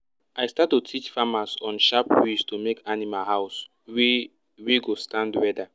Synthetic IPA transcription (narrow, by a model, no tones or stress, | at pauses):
ajstatːutʰit͡ʃfamasɔ̃nʃapwistomekanimalɦaʊs | we | wiɡostãndwɛda